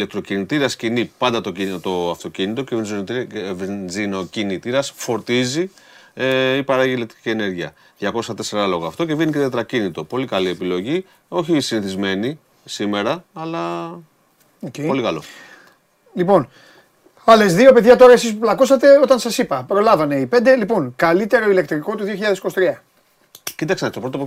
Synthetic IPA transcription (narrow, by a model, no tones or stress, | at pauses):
ile̞k̚t̪ɾo̞cinit̪iɾɐscinipɐnd̪ɐt̪oit̪o̞ɐft̪o̞cinit̪o̞cevinzot̪vzino̞cinit̪iɾɐsfo̞ɾt̪izi | ipɐɾɐʝilet̪i̥i̥ciene̞ɾʝiɐ̰ | ðʝɐko̞sɐt̪e̞se̞ɾɐlo̞ɣɐːft̪o̞ce̞vinice̞t̪et̪ɾɐcinit̪o̞po̞likɐlie̞pilo̞ʝi | o̞çisiniθizme̞ni | sime̞ɾɐːlɐ | oepo̞likɐlo̞̰ | lipo̞n | ɐlezðio̞pe̞ðʝɐt̪o̞ɾɐe̞sis̬puplɐkosɐt̪e̞o̞t̪ɐnsɐsipɐpɾo̞lɐvɐne̞ipe̞nd̪e̞lipo̞ŋkɐlit̪e̞ɾo̞ile̞k̚t̪ɾiko̞t̪uðioçiʎɐðesikosit̪ɾiɐ | cit̪ɐksenɐst̪oɾo̞t̪op